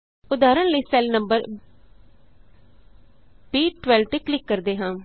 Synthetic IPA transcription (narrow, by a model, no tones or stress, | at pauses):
ʊd̪aːɾənləiːsɛːlnəmbəɾ | biːʈʋɛːlt̪eːklɪkːəɾd̪eːɦãː